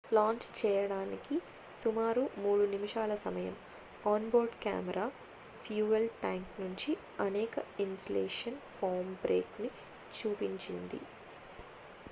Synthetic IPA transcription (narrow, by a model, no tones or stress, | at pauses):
plaːnt͡ʃt͡ʃɛːjɐɽaːniki | sumaːɾumuːɽunimiʂaːlɐsɐmɐjɐm | aːnboːɾɖka̰ːmɛɾaː | pʰjuːʋelʈaːŋknuɲt͡ʃi | ɐneːkɐinsleːʂɐnpʰoːɾmbɾʔḛːkni | t͡ʃuːpiɲt͡ʃind̪ḭ